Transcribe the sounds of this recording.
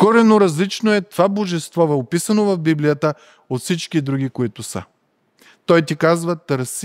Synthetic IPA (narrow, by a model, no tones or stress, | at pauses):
koɾɛnoɾɐzlit͡ʃnoɛt̪ovaboʒɛst̪vɔvɛopisɐnovɐvbiblijət̪ə | ot̪fsit͡ʃkid̪ɾuɡʲikoit̪ʊsə̰ | t̪ɔjt̪ikazvət̪əɾs